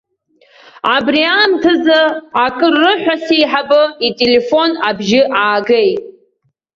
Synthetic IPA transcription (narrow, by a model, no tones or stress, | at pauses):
abriamtʰɨzaakʼɨrːɨħʷᶣasejħabɨitʼele̞fo̞nabʒɪʔaːɡejtʼ